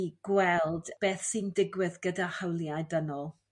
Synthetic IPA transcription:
iɡ̥wɛlˠd̥b̥eːθsɨndɪɡwɪðɡədahawlˠjajdənɔlˠ

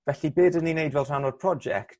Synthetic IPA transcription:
vɛɬibeːdəninejdvɛlˠr̥anod̚pʰr̥ɔd͡ʒɛ̰kt

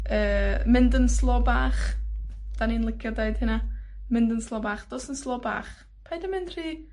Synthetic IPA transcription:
əːmɪndənslˠɔbaːχ | d̥aniːnlˠɪkʰjɔdeɨd̥hɪnamɪndənslˠɔːbaːχd̥ɔsənslˠɔba̰ːχ | pʰajdəmɪnd̥r̥iː

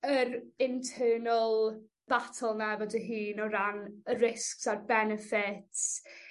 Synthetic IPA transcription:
əɾɪntʰɜːnəlˠ | b̥atʰəlˠnavɔdəɦiːnɔɾanrɪsksarbɛnɛfɪts

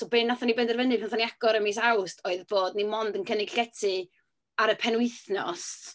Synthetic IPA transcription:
sobeːnːaθɔnibendɛrvənɨdpʰnɔθɔniaɡɔɾəmis̬awstʰoɨðboːdnimɔndənkʰənɪɡ̥ɬɛtʰɨ | aɾəpʰɛnwɪθnɔ̰st

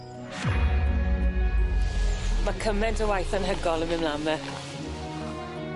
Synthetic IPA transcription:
makʰəmɛndəwajθənɦəɡɔlˠəmɪmlamɛ

